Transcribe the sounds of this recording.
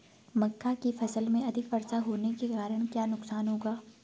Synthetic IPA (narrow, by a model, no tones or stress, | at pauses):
mɐkːakifɐsəlmẽɐd̪ʱɪkpɐɾsaɦoːnekekaːɾəɽ̃kjaːnʊksaːnɦoːɡaː